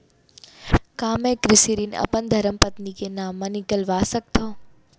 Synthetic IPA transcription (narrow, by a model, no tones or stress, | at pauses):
kaːmẽːkɾɪsiɾiːnɐ̰pənd̪ʱɐɾəmpɐt̪nikenaːmːɐnikəlʋaːsək̚t̪ʰoː